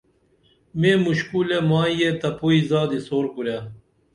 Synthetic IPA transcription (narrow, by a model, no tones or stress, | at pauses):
meːmuɕkulemaːjjet̪ɐpuizaːd̪isoːɾkuɾja